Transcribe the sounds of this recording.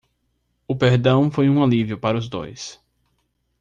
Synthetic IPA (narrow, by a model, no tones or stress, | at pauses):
ʊpeɾd̪ɐ̃w̃fojũalivijʊpaɾɐʊzd̪o̰js